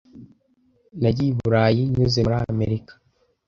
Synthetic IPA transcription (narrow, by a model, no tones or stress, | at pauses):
naɟiiβuɾaːjiɲuzemuɾame̞̰ɾikḁ